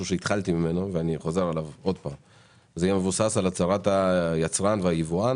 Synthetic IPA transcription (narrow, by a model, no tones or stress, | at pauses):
uʃe̞it̪χalt̪imime̞noveaniχo̞ze̞ʁalavo̞dpaːm | zeajemevusasalat͡saʁat̪ajat͡sʁanveajivuan